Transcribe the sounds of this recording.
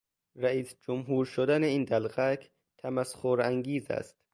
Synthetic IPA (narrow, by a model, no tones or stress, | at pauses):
ɾæiːsd͡ʒomɦuːɾʃod̪æneiːnd̪ælɣækʰ | t̪ʰæmæsxoɾæŋɡiːzæ̰st̪̚